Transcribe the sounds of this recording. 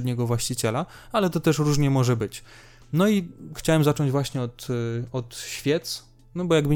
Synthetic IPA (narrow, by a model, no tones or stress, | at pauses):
d̪ɲɛɡɔvwaɕt͡ɕit͡ɕɛla | alɛt̪ɔt̪ɛʂɾuʐɲɛmɔʐɛbɘt͡ɕ | nɔixt͡ɕawɛmzat͡ʂɔɲd͡ʑvwaɕɲɛɔt̪ɔt̪ɕfʲjɛt̪s | nɔbɔjaɡbɘ